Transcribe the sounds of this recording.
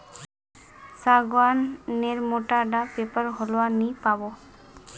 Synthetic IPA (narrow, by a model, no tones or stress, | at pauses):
saɡwanːeɹmoʈaɖapepəɹɦɔloanipabɔ